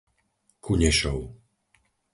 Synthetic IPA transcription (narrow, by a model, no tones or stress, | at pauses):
kʰuɲɛʃɔʊ